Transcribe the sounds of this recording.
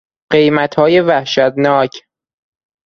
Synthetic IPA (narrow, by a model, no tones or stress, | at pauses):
ɢ̥e̞jmæt̪ʰhɒːje̞væhʃæt̪nɒːcʰ